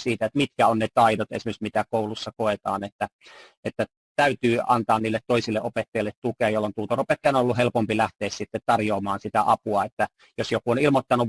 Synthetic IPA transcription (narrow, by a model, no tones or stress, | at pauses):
siːt̪æet̪mit̪kæonnet̪ɑidot̪ḛsimeksmit̪ækoulusːɑkoet̪ɑ̰ːnet̪ːæʔet̪ːæ | t̪æyt̪yːɑ̰nt̪ɑːnniːlːet̪t̪oisilːeʔopet̪ːɑilːet̪t̪ukeɑjolːont̪uːt̪oropet̪ːɑjɑnolːuhelpompilæht̪eːssit̪ːet̪t̪ɑrjoːmɑːnsit̪æʔɑpuɑet̪ːæ | josjokuonilmot̪ːɑnu